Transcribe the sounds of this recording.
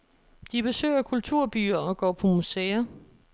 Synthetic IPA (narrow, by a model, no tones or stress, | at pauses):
d̥ib̥e̝sø̰ɪɐkʰult͡sʰuɐ̰b̥y̰ːɐɒ̽ɡ̥ɒ̰ːpʰɒ̽museːɐ